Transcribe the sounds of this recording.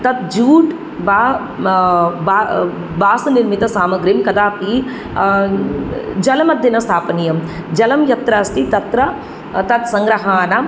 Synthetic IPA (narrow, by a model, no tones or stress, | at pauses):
t̪ɐt̪d͡ʒuːʈ | baː | ba | baːsɐniɾmit̪ɐsaːmɐɡɾimkɐd̪aːpiː | d͡ʒɐlɐmɐd̪ʱinɐst̪ʰaːpɐnijɐm | d͡ʒɐlɐmjɐt̪ɾɐːst̪ʰit̪ɐt̪ɾɐ | t̪ɐt̪sɐ̃ŋɡɾɐɦaːnɐ